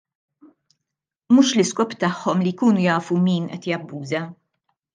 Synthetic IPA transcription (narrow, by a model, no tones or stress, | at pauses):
muːʃlɪskɔːpt̪ɐħːɔmlijkuːnujɐːfumiːnʔɛ̰t̪jɐbːuːzɐ